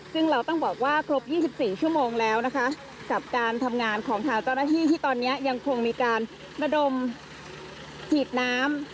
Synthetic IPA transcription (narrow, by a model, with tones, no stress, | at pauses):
sɯ˥˩ŋɾa˧wt̪ɔ˥˩ŋbɔː˨˩k̚waː˥˩kʰɾo˦˥p̚jiː˥˩si˨˩p̚siː˨˩t͡ɕʰu˥˩əmoː˧ŋlɛː˦˥wna˦˥kʰa˦˥ | ka˨˩p̚kaː˧nt̪ʰa˧mŋaː˧nkʰɔː˩˦ŋt̪ʰaː˧ŋt͡ɕa˥˩wnaː˥˩t̪ʰiː˥˩t̪ʰiː˥˩t̪ɔː˧nːi˦˥ɐja˧ŋkʰo˧ŋmiː˧kaː˧n | ɾa˧do˧m | t̪ʰiː˨˩t̪̚naː˦˥m